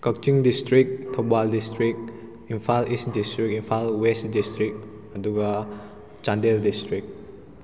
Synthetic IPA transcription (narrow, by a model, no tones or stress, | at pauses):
kak̚t͡ʃiŋdistɾik̚tʰubaldistɾik̚ | inpʰalisdistɾikinpʰalwestdistɾik̚ | ɐduɡa | t͡ʃandeldistɾik̚